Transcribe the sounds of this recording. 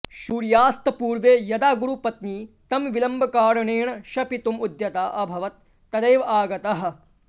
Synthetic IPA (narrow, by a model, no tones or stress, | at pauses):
ʃuːɾjaːst̪ɐpuːɾʋeːjɐd̪aːɡuɾupɐt̪niː | t̪ɐmʋilɐmbʱɐkaːɾɐɳeːɳɐʃɐpit̪umud̪jɐt̪aːʔɐbʱɐʋɐt̪ː | ɐd̪ɐjʋɐaːɡɐt̪ɐɦɐ̆